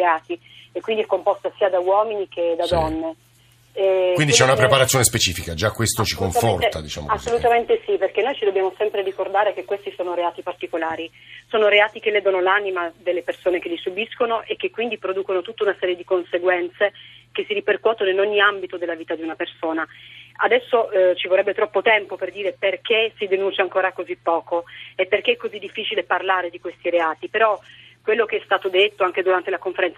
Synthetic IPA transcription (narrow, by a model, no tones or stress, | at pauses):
eaːt̪i | ekːwind̪iɛkːompɔst̪asiːad̪awɔːminiked̪ad̪ɔnːe | ɛwindit͡ʃɛunapɾepaɾat̪ːjoːnespet͡ʃiːfikad͡ʒakːwest̪ot͡ʃikkoɱfɔra̰d̪it͡ʃa̰mo̰asːolut̪ament̪esiperk̟enːojt͡ʃid̪obːjaːmosɛmpɾerikord̪aːɾek̟ekːwest̪isoːnoɾeaːt̪ipart̪ikolaːɾi | soːnoɾeaːt̪ik̟elːɛd̪onolanimad̪elːepersoːnekelːisubiskonoʔek̟ːekːwind̪ipɾod̪uːkonot̪ut̪ːaunasɛːɾjed̪ikonseɡwɛnt̪sekesːiɾiperkwɔːt̪onoinoɲːiambit̪od̪elːaviːt̪ad̪iunapersoːnaad̪ɛsːot͡ʃivorːɛbːet̪ɾɔpːot̪ɛmpoperd̪iːɾeperkesid̪enunt͡ʃaŋkoːɾakozipːɔːkoepːerk̟eɛkːozid̪ːifːiːt͡ʃileparlaːɾed̪ikwest̪iɾeaːt̪ipeɾɔkːwelːokeɛst̪aːt̪od̪et̪ːoaŋked̪uɾant̪elakoɱfeɾɛnt̪s